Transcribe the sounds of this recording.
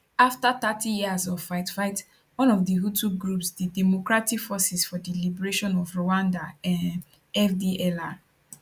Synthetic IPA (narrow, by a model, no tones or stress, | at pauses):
aftatatijiazɔvfaɪtfaɪt | wɔ̃nɔvdiɦutʰuɡɹupsdidɛmɔkɹatikfɔsisfɔdilibɛɹeʃɔ̃nɔvɹoãndaãn | ɛfdiʔɛla